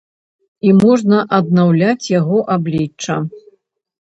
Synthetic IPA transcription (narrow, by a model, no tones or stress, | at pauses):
imɔʐnɐʔɐd̪̚nawlʲat͡sʲjaɣɔʔablʲit͡ʂt͡ʂːɐ